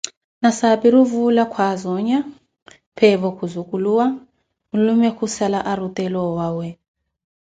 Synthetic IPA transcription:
nasaɓiɾuvulakʰwazɔɲa | pʰɛβɔkʰuzukʼuluwa | ulumɛkʰusalaʔaɾutʼɛlɔwawɛ

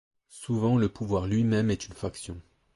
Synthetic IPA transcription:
suvɑ̃ləpuvwaʁlɥimɛmɛt̪ynfaksjɔ̃

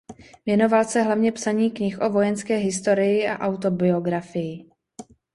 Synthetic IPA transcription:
vjɛno̞valsɛɦlavɲɛpsaɲiːkɲɪxʔo̞vo̞jɛnskɛːɦɪst̪o̞ɾɪjɪa̰ʔawt̪o̞bɪo̞ɡɾafɪjɪ

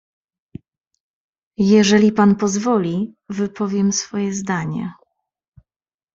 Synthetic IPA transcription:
jɛʐɛlʲipanpɔzvɔlʲivɘpʰɔvʲjɛmsfɔjɛzd̪aɲɛ̰

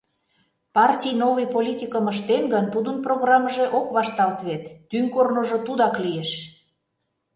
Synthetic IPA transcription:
pɑrtʲijnoβɨjpolʲitʲikəməʃt̪enɡənt̪ud̪ənproɣrɑmːəʒeʔokβɑʃt̪ɑlt̪βet̪ːyŋkornoʒot̪ud̪ɑklijeʃ

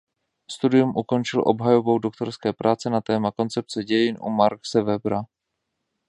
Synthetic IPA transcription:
st̪udɪjumʔuko̞nt͡ʃɪlʔo̞̰bɦajovo̞wdok̚t̪o̞ɾskɛːpɾʔaːt͡sɛnat̪ɛːmako̞nt͡sɛp̚t͡sɛɟɛjɪnʔṵmaɾksɛvɛbɾa

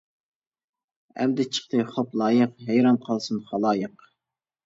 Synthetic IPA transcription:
ɛ̰md̪ɪt͡ʃʰə̥χt̪ɨjχoplˠɑːjəqɦæjɾɑmqʰɑlˠsɨnχɑlˠɑːjəq

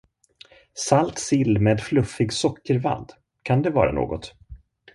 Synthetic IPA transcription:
salt̪sɪlːmeːd̪flɵfːɪɡsɔkːəɾva̰nd̪ | kʰand̪ɛvɑ̰ːɾa̰no̰ːɡɔt̪

